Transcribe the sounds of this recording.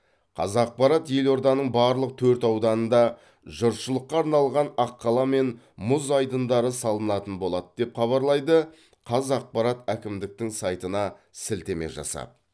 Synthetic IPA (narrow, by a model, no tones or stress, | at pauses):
qʰɑ̰zɑq̚pɑɾɑt̪je̞lo̞ɾd̪ɑnəɴbɑɾlˠəq̚t̪ʰɵɾt̪ɑwd̪ɑnənd̪ɑ | ʒəɾʃəlˠəqːɑːɾnɑlˠʁɑnɑqːɑlˠɑme̞n | mʊzɑjd̪ənd̪ɑɾəsɑlˠənɑt̪ənbo̞lˠɑd̪əd̪e̞pχɑβɑɾlˠɑjd̪ə | qʰɑzɑq̚pɑɾɑt̪ækʲɪmd̪ɪk̚t̪ɪŋsɑjt̪ənɑsɪlt̪e̞me̞̰ʒɑ̰sɑ̰p̚